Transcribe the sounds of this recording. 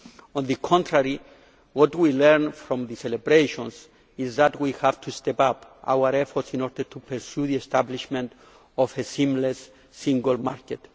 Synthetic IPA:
ɔ̃nðɨkʰɔ̃ntʰɹaɹi | wɔtwilɛɹnfɾɔ̃mðɨsɛlebɾeʃɔ̃ns | izðatwihavtʰustɛpapʔa̰wəɾɛfɔɹtsĩnɔɹdəɹtʰupʰəɹsjuðiɛstabliʃmɛ̃nt | ɔfesĩmlesː | ĩŋɡəlˠmaɹkɛt

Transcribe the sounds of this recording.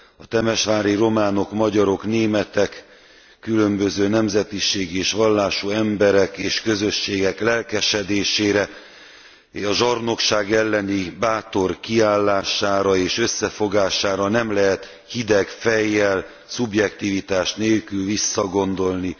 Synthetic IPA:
ɒt̪ɛmɛʃʋaːɾiro̞maːno̞kmɒɟɒɾo̞kn̪eːmɛt̪ɛkː | ylø̞mbø̞zøːnɛmzɛt̪iʃeːɡeːʃʋɒlːaːʃuɛmbɛɾɛkeːʃkø̞zø̞ʃːeːɡɛklɛlkɛʃɛd̪eːʃeːɾɛ | ɒʒɒrno̞kʃaːɡɛlːɛnibaːt̪o̞rkiaːlːaːʃaːɾɒeːʃø̞sːɛfo̞ɡaːʃaːɾɒnɛmlɛɦɛt̪ | hid̪ɛkfɛjːɛl | subjɛkt̪ivit̪aːʃneːlkylvisːɒɡo̞nd̪o̞lni

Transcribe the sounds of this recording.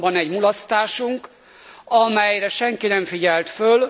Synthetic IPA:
bɒnɛɟmulɒst̪aːʃuŋk | ɒmɛjrɛʃɛŋkinɛɱfiɟɛlt̪føl

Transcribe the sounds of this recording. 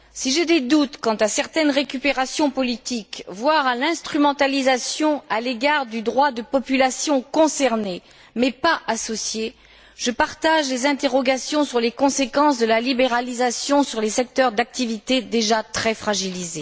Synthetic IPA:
siʒed̪ed̪ut̪kɑ̃t̪asɛʁt̪ɛnʁekʲypeʁasjɔ̃pɔlit̪ikvwaʁalɛ̃st̪χymɑ̃t̪alizasjɔ̃aleɡaʁd̪yd̪ʁwad̪əpɔpylasjɔ̃kɔ̃sɛʁne | mɛpaʔasɔsje | ʒ̥əpaʁt̪aʒlezɛ̃t̪eʁɔɡasjɔ̃syʁlekɔ̃sekɑ̃sd̪əlalibeʁalizasjɔ̃syʁlesɛk̚t̪œʁd̪ak̚t̪ivit̪ed̪eʒat̪χɛfχaʒilize

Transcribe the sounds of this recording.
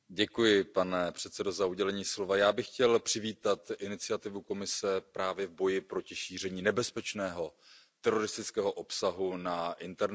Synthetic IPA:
ɟɛkujɪpanɛpr̥ɛt̪sɛdo̞zauɟɛlɛɲiːslo̞vajaːbɪxːcɛlpr̥ɪviːt̪at̪ʔɪnɪt͡sɪat̪ɪvuko̞mɪsɛpɾaːvjɛvbo̞jɪpɾo̞cɪʃiːr̝ɛɲiːnɛbɛspɛt͡ʃnɛːɦo̞ | t̪ɛɾo̞ɾɪst̪ɪt͡skɛːɦo̞ʔo̞psaɦunaʔɪnt̪ɛɾn

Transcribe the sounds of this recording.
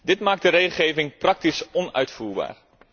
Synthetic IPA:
dɪtmaːk̚dəɾejχl̩ˠχejvɪŋprɑk̚tisɔnœ̰ɥtfuːɹba̰ːr

